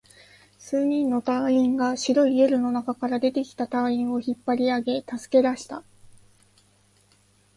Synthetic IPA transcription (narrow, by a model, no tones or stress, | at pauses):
sɨːɲ̟ĩnːo̞t̪aĩŋɡaɕiɾo̞iieɾɯ̟no̞nakakaɾad̪e̞t̪e̞kʲi̥t̪at̪aĩɰ̃o̞çipːaɾʲiaɡe̞t̪asɨ̥ke̞d̪aɕi̥t̪a